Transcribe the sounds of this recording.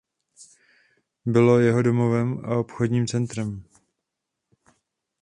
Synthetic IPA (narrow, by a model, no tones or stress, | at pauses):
bɪlojɛɦo̞domo̞vɛma̰o̞pxo̞dɲiːmt͡sɛnt̪ɾɛm